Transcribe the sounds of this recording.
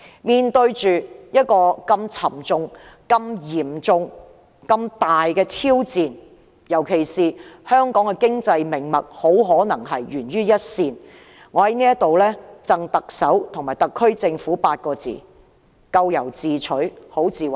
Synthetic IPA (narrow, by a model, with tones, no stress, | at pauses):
miː˨nt̪ɵ˧ɥt͡ʃyː˨jɐ˥t̚kɔː˧kɐ˧mt͡sʰɐ˨˩mt͡sʊ˧ŋkɐ˧mjiː˨˩mt͡sʊ˨˧ŋ | kɐ˧mt̪aː˨jkɛː˧t̪ʰiː˥wt͡siː˨n | jɐ˨˩wkʰe˨˩jsiː˨hœː˥ŋkɔː˨˥ŋkɛ˧kɪ˥ŋt͡sɐ˧jmɪ˨˩ŋmɐ˨k̚ho˨˥wɦɔː˨˥nɐ˨˩ŋɦɐ˨jɥyː˨˩nɥyː˥jɐ˥t̚siː˧n | ŋɔː˨˧hɐ˨˥jniː˥jɐ˥t̚t̪o˨wlɛː˥t͡sɐ˧ŋt̪ɐ˨k̚sɐ˨˥wt̪ʰʊ˨˩ŋmaː˨˩jt̪ɐ˨kʰːɵ˥ɥt͡sɪ˧ŋfuː˨˥paː˧t̚kɔː˧t͡sḭː˨˩ | kɐ˧wjɐ˨˩wt͡siː˨t͡ʃʰɵ˨˥ho˨˥wt͡siː˨˩w